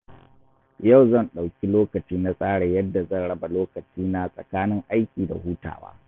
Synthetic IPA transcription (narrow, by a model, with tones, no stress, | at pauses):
ja˦˨wzɐ˦˨nɗa˨wkʲi˦loː˦kɐ˨t͡ʃiː˦na˦sʼaː˦ɽa˨jɐ˦dːa˨zɐ˦˨nɽɐ˦ba˨loː˦kɐ˨t͡ʃiː˦na˦sʼɐ̰˨kaː˦nɪ˦ŋʔa˦jkʲiː˨da̰˨huː˦ta̰ː˨wa̰ː˦